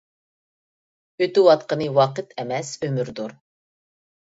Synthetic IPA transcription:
øt̪ɪwɑt̪̚qənɨwɑqət̪ʰɛmɛsømyɾd̪uɾ

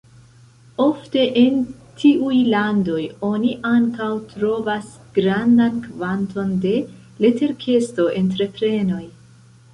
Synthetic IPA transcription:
o̞fte̞ʔentʰiʔujlando̞jo̞niʔaŋkawtɾo̞vas | ɡ̥ɾandankvantʰo̞nde̞ | le̞te̞ɾkʰe̞sto̞ʔe̞ntɾe̞pɾe̞no̞j

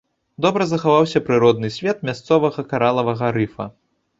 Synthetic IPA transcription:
d̪ɔbɾɐzɐxavawsʲɐpɾɨɾɔd̪nɨsʲvʲɛt̪̚mʲast̪sɔvɐɣɐkaɾalˠɐvɐɣɐɾɨfɐ̰

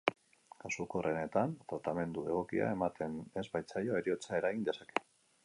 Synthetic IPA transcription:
kasuko̞re̞ne̞t̪ant̪at̪ame̞nd̪ue̞ɣ̞o̞kia̰e̞mat̪ʰe̞ne̞zbajt͡sajo̞e̞ɾio̞t͡sae̞ɾaɣind̪e̞sake̞̥

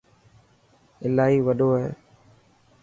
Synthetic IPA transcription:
ɪlaːɦiːʋəɗoːɦeː

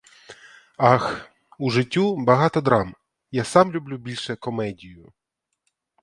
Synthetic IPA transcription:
ɑx | uʐɪtʲːubɐɦɑt̪ɔd̪ɾɑm | jasɑmlʲʊblʲubʲilʲʃɛkɔmɛdʲijʊ

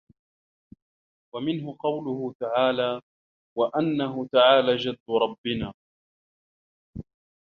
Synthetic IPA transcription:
wamɪnɦʊqɑwlʊhʊt̪aʕaːlaː | waʔanːaɦʊt̪aʕaːlaːd͡ʒad̪ːʊɾˤɑbːɪnaː

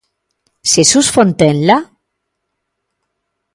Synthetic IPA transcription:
sesusfont̪enla

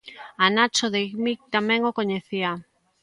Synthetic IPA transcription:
anat͡ʃoðeɣmik̚t̪amɛ̃ŋokoɲeθia

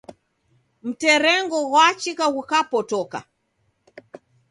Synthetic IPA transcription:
m̩tɛɾɛŋɡɔɣwat͡ʃikaɣukapɔtɔka̰

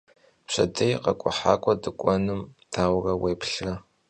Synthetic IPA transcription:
pɕʷɐ̰dɐjqɐkʷʼʊ̰ħaːkʷʼɐdɨkʷʼɔnɨmd̥ʰaːwrɐweːpʰɬrɐ

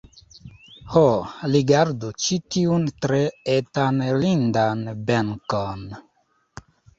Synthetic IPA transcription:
holiɡaɾdut͡ʃitiuntɾeetanlindanbeŋkon

